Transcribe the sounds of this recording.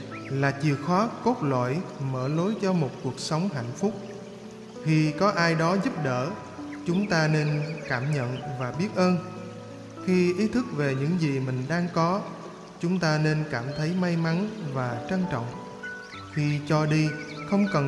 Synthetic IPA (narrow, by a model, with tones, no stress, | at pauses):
laː˨˩t͡ɕi˨˩əxwaː˨˦ko˦˥t̚lwa̰ː˧˨jməː˧˩lo˨˦jt͡ɕɔ˧mo˨˩t̚ku˨˩ək̚sə˨˦wŋ͡mɦa̰˧˨jŋ̟fʊ˦˥k͡p̚ | xi˧kɔ˨˦ʔaː˧jɗɔ˨˦zu˦˥p̚ɗə̰ː˧˩ | t͡ɕʊ˨˦ŋ͡mt̪aː˧ne˧nkaː˧˩mɲə̰˧˨nvaː˨˩ɓi˦˥ət̚ʔəː˧n | xi˧ʔi˨˦t̪ʰɨ˦˥k̚ve˨˩ɲɨ̰˧˥ŋzi˨˩mï˨˩ŋ̟ɗaː˧ŋkɔ˨˦ | t͡ɕʊ˨˦ŋ͡mt̪aː˧ne˧nkaː˧˩mt̪ʰə˨˦jma˧jma˨˦nvaː˨˩t͡ɕə˧nt͡ɕɔ̰˧˨wŋ͡m | xʰi˧t͡ɕɔ˧ɗi˧xə˧wŋ͡mkə˨˩